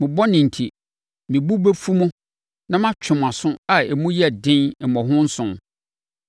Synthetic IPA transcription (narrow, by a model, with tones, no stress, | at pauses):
mɪ̃˨bɔ˦nɪ̃˨n̩˨tʰi˨ | mɪ̃˨bu˦be˦fu˦mʊ̃˦ | nã˦mã˦t͡ɕᶣʰʊ˨m˨ã˨sʊ̃˦a˨e˨mũ˦jɛ˨dɪ̃˦nɛ˨mɔ̃˨ɦʊ̃˦n̩˦sʊ̃˨m